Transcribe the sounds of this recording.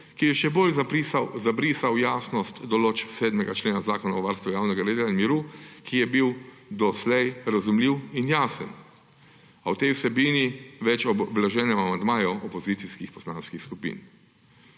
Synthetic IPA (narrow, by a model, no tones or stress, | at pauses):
kijɛʃɛboːlzaisazabɾiːsawjaːsnɔst̪d̪ɔloːt͡ʃsɛːd̪mɛɡat͡ʃleːnazaːkɔnaɔʋaɾst̪ʋujaːwnɛɡaɾeːd̪lanmiɾukijɛbiw | d̪ɔslɛjɾazumliwinjaːsə̰n | awt̪ɛjwsɛbiːniʋɛt͡ʃɔbblaʒɛːnɛmamand̪maːjɔʔɔpɔziːt̪siskixpɔsla̰ːnskixskupḭːn